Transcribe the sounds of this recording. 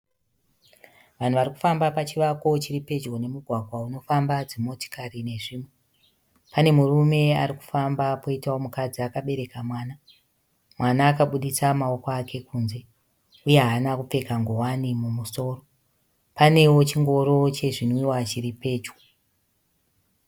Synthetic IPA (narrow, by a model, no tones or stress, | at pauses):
ʋan̤uʋaɾiku̥fambapat͡ʃiʋakot͡ʃiripe̞d͡ʒɡo̞ne̞muɡʱwaɡʱwauno̞fambad͡zemo̞to̥karine̞ʐiːmwe | pane̞murume̞aɾiku̥fambapoitawomukad͡ziakaɓe̞ɾe̞kamwaːna | mwanaːkaɓuɗisamao̞koake̞kuːnze̞ | ujeɦanakup͡fe̞kaŋɡowanimumuso̞ːro̞ | pane̞wo̞t͡ʃiŋɡo̞ɾo̞t͡ʃe̞ʐinoiwat͡ʃiɾipe̞ːd͡ʒɡo